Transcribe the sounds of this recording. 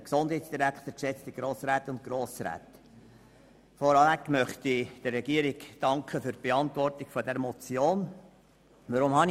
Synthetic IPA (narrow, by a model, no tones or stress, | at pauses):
əksʊnd̥hɛɪtsd̥iɾækχt̪əɾkʃɛt͡st̪iɡ̥ɾoːsɾæːt̪ʊnt̚kɾoːsɾæ̰ːt̪ | fɔɾɑlækmœχt̪id̥ərːɛɡiəɾiɡd̥ɑŋkʰχəfyɾb̥eɑnt̪ʋɔrtɪɡ̥fɔdɛɾmɔt͡sjoːn | ʋɑɾʊmhɑn